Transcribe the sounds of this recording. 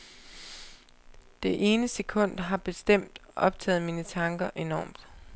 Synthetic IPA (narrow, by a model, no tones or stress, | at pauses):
d̥e̝ʔe̝ːnəse̝kʰɔ̽n̰d̥ɦɑ̈b̥e̝sd̥em̰d̥ʔɒ̽b̥̚t͡sʰɛ̰ːð̩ˠmiːnət͡sʰɑ̈ŋɡ̥ɐʔe̝nɒ̰ːmd̥